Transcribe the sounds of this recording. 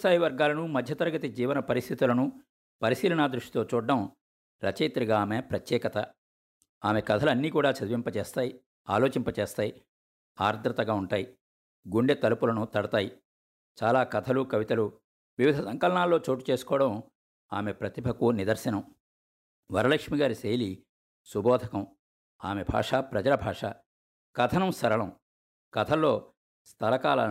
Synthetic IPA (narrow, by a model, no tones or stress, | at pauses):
saːjiʋɐɾɡaːlɐnumɐd̪ʱjɐt̪ɐɾɡɐt̪id͡ʒiːʋɐnɐpɐɾist̪ʰit̪ulɐnu | pɐɾisiːlɐɳaːd̪ɾuʂʈi̥t̪o̞ːt͡ʃuːɖːɐm | ɾɐt͡ʃejt̪ɾiɡaːmepɾɐt̪jɛːkɐt̪ɐ | aːmekɐd̪ʰʱɐlɐnːiːkuːɽaːt͡ʃɐd̪uʋimpɐt͡ʃeːst̪aːji | aːloːt͡ʃimpɐt͡ʃeːst̪aːji | aːɾd̪ʱɾɐt̪ɐɡaːuɳʈaːji | ɡuɳɖet̪ɐlupulɐnut̪ɐɽɐt̪aːji | t͡ʃaːlaːkɐt̪ʰɐlukɐʋit̪ɐlu | ʋiʋid̪ʱɐsɐŋkɐlɐɳaːlːoːt͡ʃoːʈu̥t͡ʃe̞ːsu̥kɔːɐɽɐm | aːme̞pɾɐt̪ibʱɐkunid̪ɐɾsɐnɐm | ʋɐɾɐlɐkʂmiɡaːɾiseːjli | subʱɔːd̪ʱɐkɐm | aːme̞bʱa̰ːʂapɾɐd͡ʒɐlɐbʱaːʂa̰ː | kɐt̪ʰɐnɐmsɐɾɐɳɐm | kɐt̪ʰɐlːo̞ː | st̪ʰɐlɐkaːlɐ̰